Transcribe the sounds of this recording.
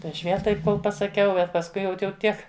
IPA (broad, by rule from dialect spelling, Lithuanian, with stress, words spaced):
tɐɪ ɐʃ ˈʋʲiɛlˠ ˈtɐɪp ˈkoːlˠ pɐsɐˈkʲɛʊ bʲɛt pɐsˈkʊɪ ˈjɛʊt jɛʊ ˈtʲiɛk